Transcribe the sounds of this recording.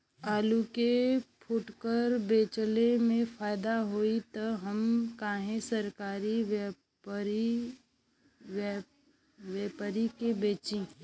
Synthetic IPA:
aːlukepʰʊʈkəɾbeːt͡ʃlemẽfʰaːɪd̪aɦoːit̪ɐɦəmkaːɦẽsəɾkaːɾiʋ | i | ʋeːpəɾikebeːt͡ʃĩː

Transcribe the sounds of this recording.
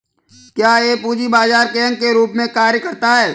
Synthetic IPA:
kjaːeːpuːd͡ʒibaːzaːɾkẽːŋkeɾuːpmẽkaːɾjəkɐɾt̪aɦɛː

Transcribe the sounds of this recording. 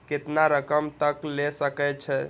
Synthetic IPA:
ket̪naɾəkəmt̪əklesəkɛt͡ʃʰɛ

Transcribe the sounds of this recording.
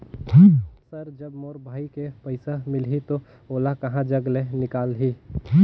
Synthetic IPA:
səɾd͡ʒəbmoːɾbʱaːikepəɪsamɪlɦit̪o | oːlakəɦãd͡ʒəɡlenɪkaːlɦi

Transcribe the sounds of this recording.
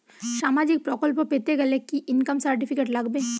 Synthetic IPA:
saːmaːd͡ʒɪk̚pɾɔːkɔlp̬pet̪eɡɐlekːiʔɪnkəmsɐɾʈipʰɪkeːʈlɐɡbẽː

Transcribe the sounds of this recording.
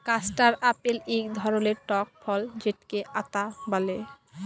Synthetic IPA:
kasʈaɾapelikd̪ʱɔɾoneɾʈɔk̚fʰɔld͡ʑeʈkeʔat̪abale

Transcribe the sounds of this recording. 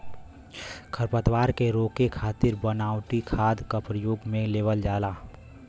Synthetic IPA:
kʰəɾpət̪waːɾkeɾoːkekʰaːt̪ɪɾbənaːwʈikʰaːd̪kapɾəjoːɡmẽleːʋəld͡ʒaːlaː

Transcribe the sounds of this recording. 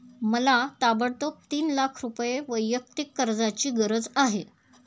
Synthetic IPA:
məlat̪abəɽt̪ok̚t̪iːnlakʰɾupjeʋəjːək̚t̪ikːəɾd͡zat͡ɕiːɡəɾəd͡zaɦe

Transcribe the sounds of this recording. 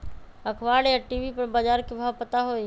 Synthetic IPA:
əkʰʋaːɽejaʈiːʋipɐɾbad͡ʒaːɾkibʱaʋpət̪aɦoːi

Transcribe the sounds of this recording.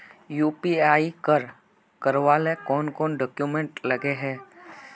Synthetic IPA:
juːpiaːikəɾ | kəɾʋaːlekɔːnkɔːnɖɔːkjumẽɳʈlɐɡeɦɛː

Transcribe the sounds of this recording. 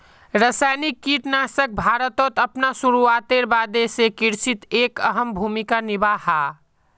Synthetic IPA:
ɾəsajnikːiʈnasək̚bʱaɾət̪ot̪əpnasuɾuat̪eɾbad̪esekiɾsit̪ekəɦəmbʱumikanibaha

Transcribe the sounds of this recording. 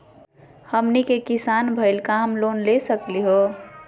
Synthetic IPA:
həmnikekisanbʱəɪlkamlonlesəkliɦo

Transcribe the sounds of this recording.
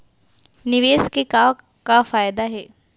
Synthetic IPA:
nɪʋeːskekaː | kafaːjd̪aɦɛː

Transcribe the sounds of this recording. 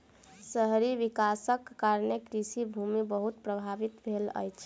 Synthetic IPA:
səɦɾiʋikasəkːaɾnekɾisibʱumibəɦut̪pɾəbʱaʋit̪bʱelə̰jt͡ʃʰ

